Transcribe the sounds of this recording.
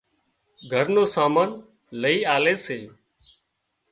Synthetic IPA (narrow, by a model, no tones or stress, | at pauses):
ɡʱəɾnoːsaːmaːn | ləiːaːleːseː